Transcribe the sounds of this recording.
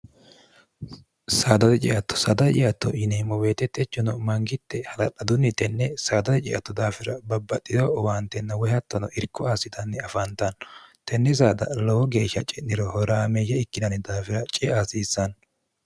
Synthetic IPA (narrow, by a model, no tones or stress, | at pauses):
saːd̪ɐt̪ɛt͡ʃʼɪ̰ʔɐt̪ːɔ̥sɐd̪ɐt͡ʃʼɪʔɐt̪ːɔɪneːmːɔweːt̪ɛt̪ːɛt͡ʃːɔnɔmɐŋɡɪt̪ːɛhɐlɐᶑɐd̪ʊnːɪt̪ɛnːɛsaːd̪ɐt̪ɛt͡ʃʼɪʔɐt̪ːɔd̪aːfɪɾɐbɐbːɐtʼːɪd̪ɔɔwaːnt̪ɛnːɐwɔjɐt̪ːɐnɔʔɪɾkːɔaːsɪd̪ɐnːɛɐfant̪ɐnt̪ɛnːɛs̬aːd̪ɐ̰lɔwɔɡeːʃːɐt͡ʃʼɛnːɪɾɔhɔɾaːmɛjɛɪkːɪd̪ɐnɪd̪aːfɪɾɐt͡ʃʼɛaːsiːsːɐn